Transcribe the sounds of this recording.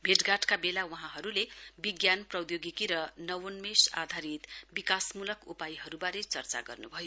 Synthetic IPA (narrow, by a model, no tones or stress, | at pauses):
bʱeʈɡaʈkabelawʌɦãɦʌɾulebiɡjanprʌd̪joɡikiɾʌnʌwonmesa̰d̪ʱaɾit̪bikasmulʌkupajɦʌɾubaɾet͡sʌrt͡sa̰ɡʌ̰rnubʱʌjo